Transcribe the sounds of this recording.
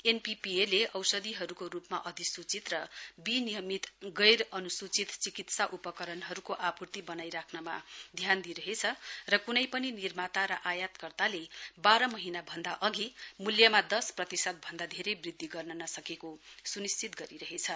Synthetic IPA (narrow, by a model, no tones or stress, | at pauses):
enpipieleʔʌwsʌd̪iɦʌɾukoɾupmaʔʌd̪ʱisut͡sit̪rʌbinijʌmit̪ɡʌjɾʌnusut͡sit̪t͡sikit̪saʔupʌkʌɾʌnɦʌɾukoʔapurt̪ibʌnajɾakʰnʌmad̪ʱjand̪iɾʌɦet͡sʰʌrʌkunʌjpʌninirmat̪aɾʌʔajat̪kʌrt̪alebaɾʌmʌɦinabʱʌnd̪aʔʌɡimuljʌmad̪ʌsprʌt̪isʌt̪̚bʱʌnd̪ad̪ʱeɾejbrid̪ʱːiɡʌrnʌnʌsʌkekosunist͡sit̪ɡʌɾiɾʌɦet͡sʰʌ